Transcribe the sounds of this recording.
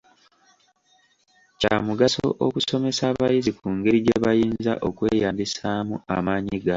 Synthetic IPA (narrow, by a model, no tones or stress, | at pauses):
camuɡaso̰ʔo̰kuso̞me̞saːβajizikuːŋɡe̞ɾiɟeβajiːnza̰ʔo̞kwe̞ːjaːmbisaːmuamaːɲiɡa